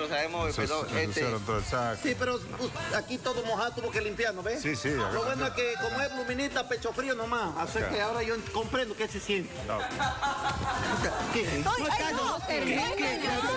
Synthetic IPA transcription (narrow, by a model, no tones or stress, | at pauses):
osaemoesoesseɾot̪oesasipeɾoakit̪oðomohat̪uβokelimpjaɾnoβesisḭoβwenoakekomoelumĩnit̪apet͡ʃofɾionomasasekeaoɾajokompɾẽnd̪okesesjent̪ea̰ | keokao | kee